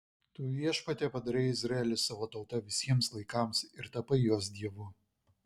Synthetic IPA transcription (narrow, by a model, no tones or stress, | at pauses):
t̪uːjʲiɛʃpɐt̪ʲeːpɐd̪ɐɾʲɛɪɪzʲɾɐɛlʲɪsɑːʋoːt̪ɒʊt̪ɐʋʲɪsʲiɛmslˠɐɪkɑˑmsɪɾt̪ɐpɐjoːs̬d̪ʲiɛʋʊ